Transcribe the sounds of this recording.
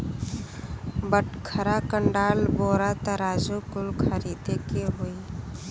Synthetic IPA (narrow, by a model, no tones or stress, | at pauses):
bəʈkʰəɾakəɳɖaːlboːɾat̪əɾaːd͡ʒokʊlkʰəɾiːd̪ekeɦoi